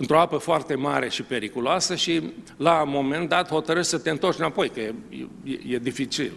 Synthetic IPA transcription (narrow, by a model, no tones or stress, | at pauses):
ɨnt̪ɾoapəfoart̪e̞maɾe̞ʃipe̞ɾikuloasəʃilamo̞me̞nd̪at̪ho̞t̪əɾɨʃt̪ʲsət̪eɨnt̪o̞rt͡ʃiɨnapo̞jkəej̰ | jḛjed̪ifit͡ʃḭl